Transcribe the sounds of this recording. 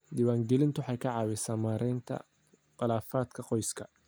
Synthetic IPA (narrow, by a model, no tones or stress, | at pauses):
d̪ɪːwaːŋɡɛlɪnt̪ʰʊħɑjkʰɐʕɑːwɪsaːmaːɾʔɛjnt̪ʰɐ̰ | qɑlaːfaːd̪kʰɐqɔjskʰɐ